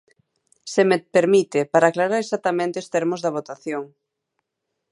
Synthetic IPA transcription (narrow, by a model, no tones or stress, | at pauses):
semepeɾmit̪ɪpaɾaːklaɾaɾesat̪ːamẽnt̪eost̪ɛɾmʊzðɐβ̞ot̪aθjoŋ